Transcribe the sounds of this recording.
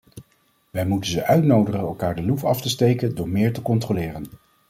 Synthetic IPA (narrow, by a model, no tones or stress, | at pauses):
ʋɛjmutənzəʔœɥtnowdəχənɛlˠkaːɹdəlupɑftəstejkəndʊːɹmɪːɹtəkɔntrolɪːrən